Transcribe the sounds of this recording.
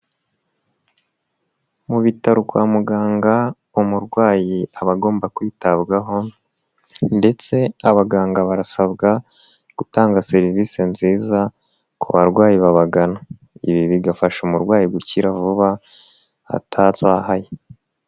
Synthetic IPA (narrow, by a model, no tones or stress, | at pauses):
muβitaɾukwaːmuɡaːŋɡa | umuɾɡwaːjiaβaɡo̞ːmbakwiːtabɡaɦo̞ | nde̞t͡se̞aβaɡaːŋɡaβaɾasaβɡa | ɡ̥utaːŋɡase̞ɾiviːsenziːza | kuβaɾɡwaːjiβaβaɡana | iβiβiɡafaʃumuɾɡwaːjiɡuciɾavuβa | a̰tʰazaːhaje